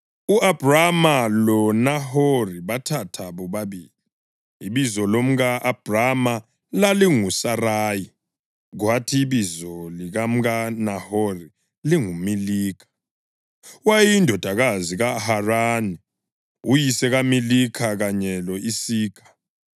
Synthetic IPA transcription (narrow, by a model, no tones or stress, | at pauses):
uʔab̥ʱramalɔnahoriβatʰatʰaβɔβaβiːliː | βizɔlom̩ɣaʔab̥ʱrama | laliŋusaraːji | ɣwatʰiβizɔliɣam̩ɣanahori | liŋumiliːkʰḁ | wajiindʱɔd̥ʱaɣaziɣaharani | ujisɛɣamilikʰaɣaɲɛlɔisiːkʰḁ